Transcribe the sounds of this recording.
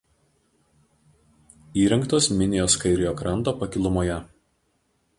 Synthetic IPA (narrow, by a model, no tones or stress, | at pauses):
iːɾʲɐŋˑkt̪oːsmʲɪnʲɪjoːskɐɪɾʲɪjoːkɾɐnt̪oːpɐkʲɪlˠʊmoːjɛ